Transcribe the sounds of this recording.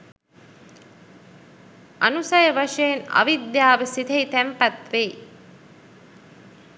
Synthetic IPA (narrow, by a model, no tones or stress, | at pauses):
ʔɐnusɐjəʋɐʂejːnɐ̰ʋid̪jaːʋəsit̪ɐit̪æmpɐt̪ʋeː